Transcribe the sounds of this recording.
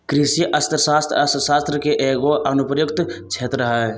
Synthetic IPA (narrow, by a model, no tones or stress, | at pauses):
kɾisiʔəst̪ɾəsast̪ɾəst̪ɾsast̪ɾəkeʔeɡoʔənupɾəjukt̪t͡ʃʰet̪ɾəɦə